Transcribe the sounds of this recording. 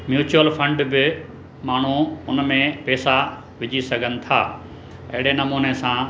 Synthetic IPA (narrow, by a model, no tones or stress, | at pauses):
mjuːt͡ɕuəlfɐ̃ɳɖbɪ | maːɳ̤uʊnmẽpɛːsa | ʋɪd͡ʑʱisɐɡʱənɪ̆t̪ʰa̰ː | ɐ̰ɦɪɽenɐmuːnesã